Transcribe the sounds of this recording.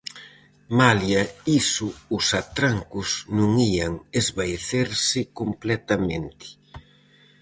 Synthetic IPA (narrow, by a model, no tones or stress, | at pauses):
maljɐisʊʊsat̪ɾaŋkʊsnũŋiɐŋezβaeθeɾsɪkomplɛt̪ɐmẽnt̪ɪ̥